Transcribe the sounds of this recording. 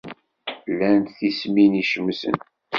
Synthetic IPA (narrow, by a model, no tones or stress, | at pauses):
lːænt̪θisminiʃəmsə̰n